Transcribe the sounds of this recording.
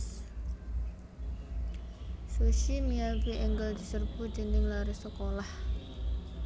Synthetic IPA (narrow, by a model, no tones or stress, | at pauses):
suʃimiabiʔɛŋɡəld̪i̤sərbud͡ʒənɪŋlaɾisəkolah